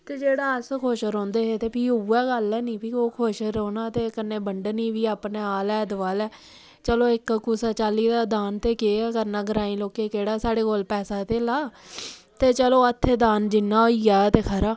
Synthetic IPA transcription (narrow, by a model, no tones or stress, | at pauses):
t̪eːd͡ʒeːɽaːəskʰoːʃɾɔ̃ːnd̪eːɦeːt̪eːpiːuːɛːɡəlɛːnĩːpʰiːoːkʰoʃɾoːnãːt̪eːkənːẽːbəɳɖəniːʋiːaːpneːaːlɛːd̪əʋaːlɛː | t͡ʃəloːɪkkusaːt͡ʃaːliːd̪aːd̪aːnt̪eːkeːɛːkəɾnãːɡəɾaːĩːloːkeːkeːɽaːsaːɽeːkoːlpɛːsaːt̪eːlaː | t̪eːt͡ʃəloːət̪ʰːeːd̪aːnd͡ʒɪnːãːoiaːt̪eːkʰəɾaː